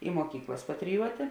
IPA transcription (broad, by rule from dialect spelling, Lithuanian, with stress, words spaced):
ɪ muɔˈkʲiːklˠɐs pɐtʲrʲɪˈjuɔtʲeː